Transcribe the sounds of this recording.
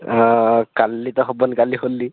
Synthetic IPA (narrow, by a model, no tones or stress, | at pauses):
ɔkalːit̪ɔɦɔbɔnkaliholːi